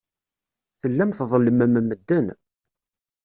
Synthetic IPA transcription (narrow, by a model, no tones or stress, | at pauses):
θəlːæmθðˤələmæmæmːəd̪ːən